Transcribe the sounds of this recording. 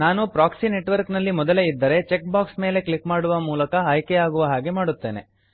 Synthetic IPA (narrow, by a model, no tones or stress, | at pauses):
naːnupɾaːksine̞ʈʋɐɾknɐlːimɔd̪ɐleid̪ːɐɾe̞t͡ʃek̚baːksme̞ːle̞klikmaːɽuʋɐmuːlɐkɐɐjkeaːɡuʋɐɦaːɡe̞maːɽut̪ːe̞ːne̞